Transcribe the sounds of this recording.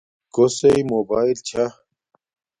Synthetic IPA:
koseimoːbaːilt͡ɕʰa

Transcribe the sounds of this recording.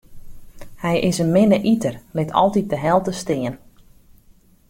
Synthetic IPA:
hɛjʔɪsənmɪnəʔitərlɪtʰɔ̰lˠtit̚dəɦɛlˠtəstɪən

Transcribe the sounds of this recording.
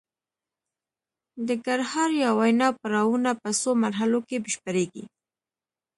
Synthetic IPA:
d̪əɡaɾhɑɾjawwajnɑpəɾɑwunapəsomaɾɦalokebɪʃpəɾeɡḭ

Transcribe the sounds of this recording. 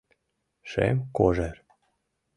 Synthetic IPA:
ʃḛmkoʒeɾ

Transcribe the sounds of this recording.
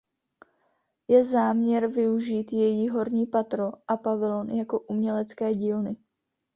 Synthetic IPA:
jɛzaːmɲɛɾvɪuʒiːt̪jɛjiːɦo̞ɾɲiːpat̪ɾo̞ʔapavɪlo̞njako̞ʔumɲɛlɛt͡skɛːɟiːlnɪ

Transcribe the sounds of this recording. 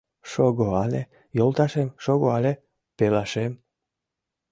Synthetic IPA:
ʃoɣoɑle | jolˠt̪ɑʃemʃoɣoɑle | pelɑʃem

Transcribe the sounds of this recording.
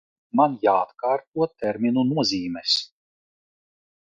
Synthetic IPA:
manjaːt̪kaːɾt̪̚uɔt̪ɛɾmʲinunuɔzʲiːmɛs

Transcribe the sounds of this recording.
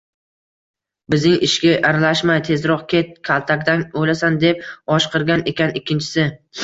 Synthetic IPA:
bɪznɪŋɪʃɡʲaʔaɾalaʃmajt̪ʰe̞zɾɒqkʲʰe̞t̪̚kʲʰalˠt̪ʰakʲd̪anojlasand̪e̞p̚ɒʃqʰɨɾɡʲane̞kʲʰanɪkʲʰːɪnt͡ʃʰɪ̥sɪ

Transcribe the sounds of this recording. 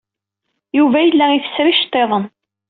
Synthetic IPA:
juvæjəlːæiθə̥sɾiʃt̪ˤːeðˤən

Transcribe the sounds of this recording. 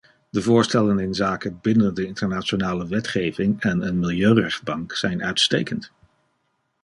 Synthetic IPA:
dəvʊːɹstɛlənɪnzaːkəbɪnəndəɪntəɹnaːt͡ʃonaːləʋɛtχejvɪŋɛnənmɪlˠjøɥrɛχd̚bɑŋksɛjnœɥtstḛːjkənt

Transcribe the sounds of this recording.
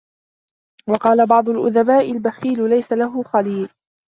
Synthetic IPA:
wɑqɑːlabɑʕd̪ˤʊlʔʊðabaːʔɪlbaxiːlʊlajsalaɦʊxɑliːl

